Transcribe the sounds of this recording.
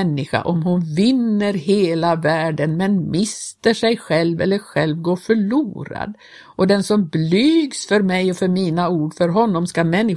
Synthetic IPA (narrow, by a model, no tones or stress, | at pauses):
nːɪɧa̰ʔɔmhʊnvɪnːəɾɦeːlavæːɖənmɛnmɪst̪əʂɛjɧɛlvɛ̰lːəɾɧɛlvɡoːfœɭuːɾa̰d̪ | ʔɔd̪ɛnsɔmblyːɡsfœɾmɛjɔfœɾmiːnauːɖfœɾɦɔnːɔmskamɛnːɪ